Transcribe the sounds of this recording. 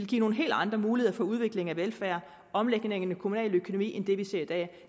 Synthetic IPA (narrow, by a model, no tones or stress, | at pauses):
lɡ̥ḭːno̝ːn̩ɦe̝̰ːld̥ɑ̈nd̥ʁɐmuːlieðˠɐfɒ̽uð̞ˠʋe̝ɡ̥le̝ŋæʋelfæɐ | ʔɒ̽mleɡ̥neŋənəkʰo̝munɛ̰ːløkʰo̝nomḭːend̥e̝ʋise̝ɐid̥ɛ̰ː